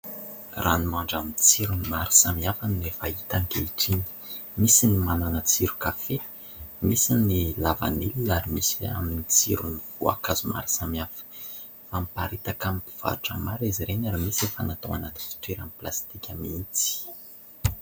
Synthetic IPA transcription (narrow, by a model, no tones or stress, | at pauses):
rʔa̰nimaɳɖ͡ʐamint͡siɾunimaɾi̥samiafanefait̪aŋkeiʈ͡ʂini̥misinimananət͡siɾukafe | misinilava̰nililaɾimisia̰minit͡siɾunivua̰kazuma̰ɾi̥samiafə̥ | famipaɾit̪akamipi̥v̥a̰ɾuʈ͡ʂəmaɾiziɾenaɾamisefanat̪oa̰nat̪i̥fi̥t̪weɾamiplast̪ikʲamint͡si̥